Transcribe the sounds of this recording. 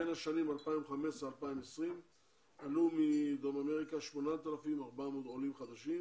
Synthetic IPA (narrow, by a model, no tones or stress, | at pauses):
enaʃanimalpaimχame̞ʃsalpaimesʁim | alumid̪o̞mameʁikaʃmo̞nat̪alafimaʁbamod̪olimχad̪aʃim